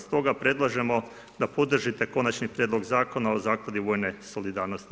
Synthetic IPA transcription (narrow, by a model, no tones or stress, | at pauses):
st̪o̞ɡapɾe̞d̪lˠaʒe̞mo̞ | d̪apo̞d̪r̩ʒit̪e̞ko̞nat͡ʃnipɾjed̪lˠo̞ɡzaːko̞naozaːklˠad̪iʋo̞ːjne̞so̞lid̪aːɾnost̪i